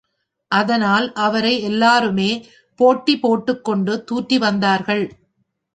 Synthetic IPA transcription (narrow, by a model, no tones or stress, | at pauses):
ʔɐðɐnaːlʔɐʋɐɾɐɪɛlːaːɾɯmeː | poːʈːipoːʈːɯkːɔɳɖɯt̪uːʈriʋɐnd̪aːɾɣɐɭ